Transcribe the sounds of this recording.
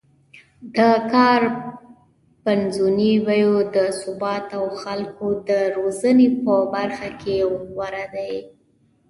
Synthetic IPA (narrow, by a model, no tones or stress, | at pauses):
d̪əkɑɾ | panzuniwajod̪əsʊbɑt̪awxalkod̪əɾozənepəbaɾxakewwaɾad̪aj